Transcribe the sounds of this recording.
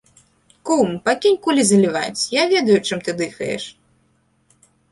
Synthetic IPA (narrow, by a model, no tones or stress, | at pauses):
kumpakʲinʲkulʲizɐlʲiva̰t͡sʲjavʲɛd̪ɐjut͡ʂɨmt̪ɨd̪ɨxɐjɛ̰ʂ